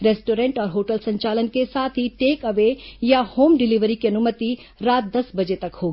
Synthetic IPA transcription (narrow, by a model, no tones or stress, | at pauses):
ɾeːsʈoːɾẽɳʈɔːɾɦoːʈəlsɐ̃ɲt͡ʃaːlənkesaːt̪ʰɦiʈeːkɐʋejahoːmɖɪliʋɾikiɐnʊmət̪i | ɾaːt̪̚d̪ɐsbɐd͡ʒet̪ɐkhoːɡi